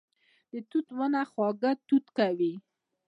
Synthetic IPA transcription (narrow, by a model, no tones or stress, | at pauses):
d̪̥ət̪ut̪wənaxwɑɡət̪ut̪kawi